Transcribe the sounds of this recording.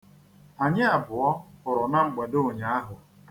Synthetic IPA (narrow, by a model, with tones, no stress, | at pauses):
a˨ɲɪ˦a˨bʊ˨ɔ˦ʊ˨ɾɔ˨na˦ŋ͡m̩˨ɡ͡ba˨do˦˨ɲa˨˦a˦ɦʊ˨